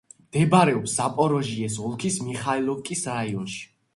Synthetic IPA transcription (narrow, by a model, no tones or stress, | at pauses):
d̪̥ɛbaɾɛɔpsapʼɔɾɔʒiɛs̬ɔlˠkʰismiχailˠɔkʼisɾaiɔnʃi̥